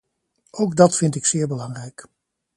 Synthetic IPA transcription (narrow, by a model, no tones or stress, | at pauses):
owɡdɑtfɪntɪksɪːɹbəlɑŋrɛjk